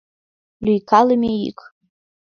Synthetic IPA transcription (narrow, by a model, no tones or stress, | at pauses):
lyjkʰalɨmeḭkʼ